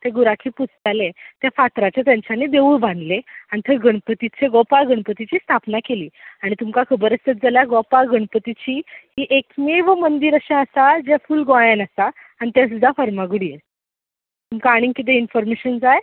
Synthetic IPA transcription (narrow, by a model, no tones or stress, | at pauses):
t̪eɡuɾakʰiːput͡sʰd͡zalẽt̪jafat̪ɾat͡ɕjat̪jãɲt͡ɕʰanːid̪eʋuːɭbʱãnd̪leaɽ̃it̪ʰəɡəɳpət̪it͡sʰeɡɔpalɡəɳ̃pət̪it͡ɕiːst̪ʰapnakeliːaɽ̃it̪umkakʰəbəɾəst̪ət̪̚d͡zəljaɡɔpalɡəɳ̃pət̪it͡ɕiːɦiːʔekmeʋəmənd̪iːɾəɕãəsad͡ʑefuːlɡojanasaː | ñit̪as̬ud̪ʱːafəɾmaɡuɽije | t̪umkaːɽ̃ĩŋkit̪̬einfɔɾmeɕənd͡zaj